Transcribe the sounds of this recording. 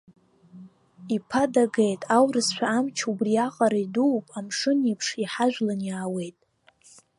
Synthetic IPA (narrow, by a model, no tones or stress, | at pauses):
ipʰadaɡejtʼawrɨsʃʷᶣaamt͡ʃʰubriaqʼaɾaiduwpʼamʂɨnipʰʂiħaʒᶣlanjaːwe̞jtʼ